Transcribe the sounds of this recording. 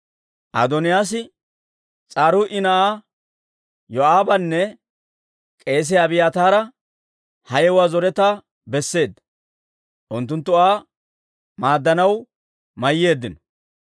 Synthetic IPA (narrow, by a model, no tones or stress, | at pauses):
ʔɐ̰d̪ɔnɪjaːs̬ɪ | t͡sʼaːɾʊʔɪnɐʔaː | jɔaːbɐnːɛ | kʼe̞ːs̬ɛɐbɪjaːt̪aːɾɐ | hɐjɛwaːzɔɾɛt̪aː | bɛsːe̞ːd̪ːɐ | ʔʊnt̪ːʊnt̪ːʊaː | maːd̪ːɐnɐw | mɐjːe̞ːd̪ːɪnɔ̥